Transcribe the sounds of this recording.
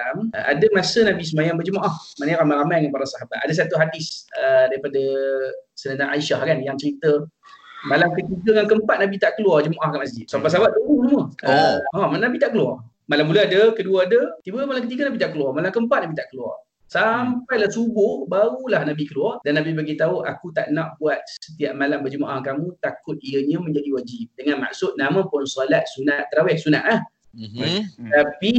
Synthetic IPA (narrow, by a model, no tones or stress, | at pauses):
ama̰dəmasənabis̬əmajambəd͡ʒəmaʔahmanəjɾamãɾamajŋanpaɾasaɦabat̪̚adəs̬at̪uɦadɪsədaɾipadə | sənə̃naaiʃahkanjaŋt͡ʃəɾit̪ə | malamkət̪iɡəŋankəmpat̪̚nabit̪aʔkəluard͡ʒəmaʔahkanʔmas̬d͡ʒɪt̪̚sampasaɦabat̪̚əbusəmuəəamnabit̪aʔkəluar | malamːuləadəkəduəadət̪ibəmalamkət̪iɡənabit̪aʔkəluɔrmalamkəmpat̪̚nabit̪aʔkəluɔ̰r | sampajlahsubʊhbaulahnabikəluɔrdanːabibaɡit̪auʔa̰kut̪aʔnãʔbuat̪̚sə̥t̪iaʔmalambəd͡ʒəmaʔahkamũt̪akʊt̪̚iəɲə̃mə̃ɲd͡ʒadiwad͡ʒip̚dəŋãnma̰ksʊt̪̚namãpʊnsalat̪̚sunaʔt̪ːəɾawɛhsunaʔlah | t̪api